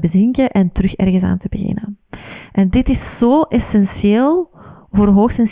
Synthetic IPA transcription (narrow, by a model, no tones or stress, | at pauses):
bəzɪŋkəʔɛntəɾɵxɛ̰rɣəsa̰ːntəbəɣɪ̰nəʔɛndɪtɪszoːʔɛsɛnsjeːlˠ | voːrɦoːxsɛns